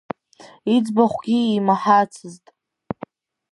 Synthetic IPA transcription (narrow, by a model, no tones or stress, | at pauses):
id͡zbaχʷɡʲiːmaħat͡sʰɨztʼ